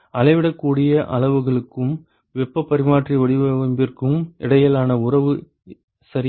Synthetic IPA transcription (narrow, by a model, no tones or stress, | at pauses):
ɐlɐɪʋɪɽɐkːuːɽɪjɐʔɐ̰lɐʋɯɣɐɭɯkːɯm | ʋɛpːɐpːɐɾɪmaːʈriʋɐɽɪʋɐɐmbɪrkɯmɪɽɐjɐlaːnɐʊrɐʋɯ | sɐɾɪ